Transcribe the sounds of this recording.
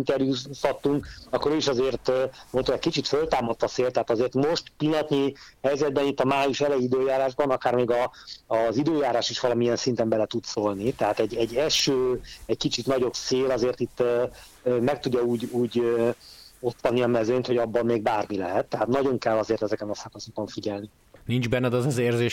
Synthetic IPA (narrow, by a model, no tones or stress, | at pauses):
int̪ɛrjushɒt̪ːuŋkɒkːoɾøːiʃɒzeːrt̪ːmont̪oɛcʲkit͡ʃit̪følt̪aːmɒt̪ːɒseːlt̪ɛɦaːt̪ɒzeːrt̪mo̞ʃt̪pilːɒt̪nihɛjzɛd̪̚bɛnit̪ːɒmaːjuʃɛlɛjid̪øːjaːɾaːʒbɒnɒkaːrmeːɡɒː | zid̪øːjaːɾaːʃiʃʋɒlɒmiɛnsint̪ɛmbɛlɛt̪ut̪solnit̪ɛɦaːt̪ɛɟːɛɟːɛlʃøːɛckit͡ʃit̪nɒɟo̞bseːlɒzeːrt̪it̪ːø | mɛk̚t̪uɟːɒuːɟuːɟø | o̞t̪ːɒniɒmɛzønt̪ho̞ɟɒbːɒmːeːɡ̚baːrmilɛɦɛt̪ːɛɦat̪nɒɟo̞ŋkɛlːɒzeːrt̪ɛzɛkɛnɒsɒkɒsokoɱfiɟɛlni | nind͡ʒbɛnːɛd̪ɒzɒzeːrzeːʃ